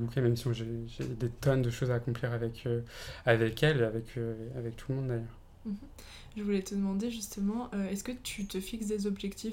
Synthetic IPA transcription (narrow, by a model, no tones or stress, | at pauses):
bukʲɛ̃mɛmsiɔ̃ʒeʒed̪et̪ɔnd̪əʃozaːkɔ̃pliʁavɛkʰøavɛkʲɛleavɛkʰøavɛk̚t̪ʰuləmɔ̃d̪ːajœʁ | m̩ | ʒəvulɛt̪əd̪əmɑ̃d̪eʒyst̪əmɑ̃ʔøɛskət̪ʰyt̪əfiksd̪ezɔbʒɛkt̪ʰi